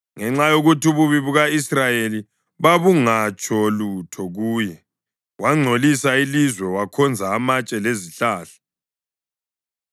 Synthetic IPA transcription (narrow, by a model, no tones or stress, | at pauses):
ŋɛŋ͡ǁajoɣutuβuβiβuɣaisrajeli | βaβuŋat͡ʃʼɔlutʰɔɣuːjɛ | waŋ͡ǀʱolisailizwɛwakʰɔnd͡zʱaːmat͡ʃʼɛleziɬaːɬḁ